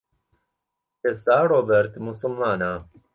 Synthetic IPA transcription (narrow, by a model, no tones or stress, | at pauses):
esaːɾobɛɾt̪musulmaːna